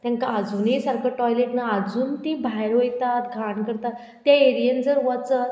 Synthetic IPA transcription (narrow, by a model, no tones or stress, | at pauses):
t̪jãŋkaːd͡zuːnisaɾkʰaʈɔjleʈnaːd͡zuːnt̪ibʱajɾɦojt̪at̪ɡʱaɳkəɾt̪at̪ːjaeɾijənd͡zəɾʋat͡sa